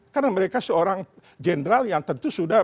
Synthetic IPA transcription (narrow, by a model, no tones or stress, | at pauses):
karnaməɾekasəoɾaŋ | d͡ʒenɾaljaŋt̪ənt̪usuda